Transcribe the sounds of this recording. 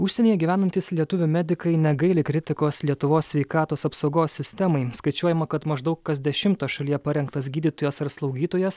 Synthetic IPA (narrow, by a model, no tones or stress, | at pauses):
ʊʃʲsʲɛnʲiːjɛɡʲiʋʲæːnɐnʲt̪ʲiːslʲiɛt̪ʊʋʲʊmʲæd̪ʲɪkɐɪnʲɛɡɐɪlʲɪkɾʲɪt̪ʲɪkoːslʲiɛt̪ʊʋoːsʲʋʲɛɪkɑːt̪oːsɐpsɐʊɡoːsːʲɪsʲt̪ʲɛmɐɪskɐɪt͡ʃʲuɔjɛmɐkɐt̪mɐʒd̪ɐʊkkɐsd̪ʲɛʃʲɪmt̪oːʃɐlʲiːjɛpɐɾʲɛŋkt̪ɐsɡʲiːd̪ʲiːt̪oːjɛsɐɾslˠɒʊɡʲiːt̪oːjɛs